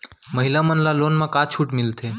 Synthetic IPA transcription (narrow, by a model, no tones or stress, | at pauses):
məɦilamənlaloːnmãkat͡ʃʰuːʈmɪlt̪ʰe